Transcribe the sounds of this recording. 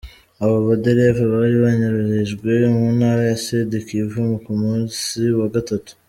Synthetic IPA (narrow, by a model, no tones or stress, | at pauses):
aβaβadeɾevaβaɾiβaɲaɾuheʒɡwe̞munaːɾajasedekivumukumuːnsiwaɡatatu̥